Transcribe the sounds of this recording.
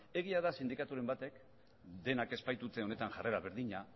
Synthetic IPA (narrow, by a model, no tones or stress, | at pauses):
e̞ɣ̞iaðasind̪ikat̪uɾe̞mbat̪e̞k | d̪e̞nake̞spajt̪ut͡s̪e̞o̞ne̞t̪aŋʝare̞ɾaβe̞ɾðiɲa